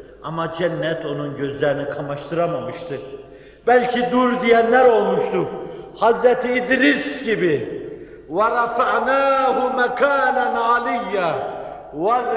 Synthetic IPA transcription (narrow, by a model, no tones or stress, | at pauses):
ɑ̰mad͡ʒɛnːɛt̪ʰo̞nunɟøzlʲæɾinikʰamaʃt̪ʰɯɾamamɯʃt̪ʰɯ | b̥ælʲcʰid̪uɾd̪ijænlæɾo̞lˠmuʃt̪uhazɾɛt̪ʰiːd̪ɾisɟibi | waɾˤɑfaʕnaːhumækʰaːnanalijːa | wa